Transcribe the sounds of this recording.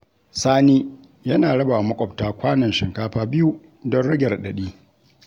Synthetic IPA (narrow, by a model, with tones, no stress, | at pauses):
saː˦niː˦ | jɐ˦naː˨ɽɐ˦ba˨mɐ˦kʷʼɔ˨ptaː˦kʷaː˦nɐ˨nʃɪ˨ŋkaː˦ɸaː˦bɪ˦ju˦ | dɔ˦nɽɐ˦ɡʲɛ˨rɗɐ˨ɗiː˦